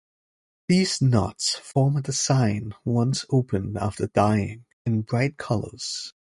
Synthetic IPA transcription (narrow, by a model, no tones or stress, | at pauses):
ðiz̥nɑ̰tsfɔɹmɨsãɪ̃nwʌ̃nsoʊpɨ̃næ̰ftə˞d̥aɪɪ̰̃ŋ | ɨ̃nbɹaɪt̚kʰʌlˠə̰˞z̥